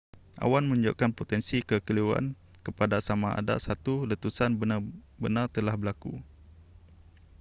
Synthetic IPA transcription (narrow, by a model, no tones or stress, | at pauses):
ʔa̰wanmə̃ɲd͡ʒo̰ʔkanpot̪ɛnsikəkəliuwa̰n | kəpadasamaa̰da̰ʔsat̪ulət̪usanb | bənart̪əlahbəlaku